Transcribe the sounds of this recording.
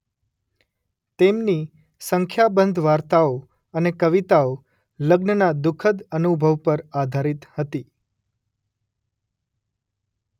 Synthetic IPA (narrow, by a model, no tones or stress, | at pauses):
t̪emni | səŋkʰjabənd̪ʱʋaɾt̪ao | ənekəʋit̪ao | ləɡnənad̪ʊkʰəd̪ənubʱəʋpəɾad̪ʱaɾit̪hət̪i